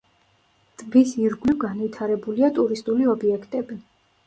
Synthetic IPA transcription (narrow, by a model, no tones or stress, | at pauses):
t̪ʼbisiɾɡlivɡanvit̪ʰaɾɛbuliat̪ʼuɾist̪ʼuliɔbiɛkʰt̪ʼɛbi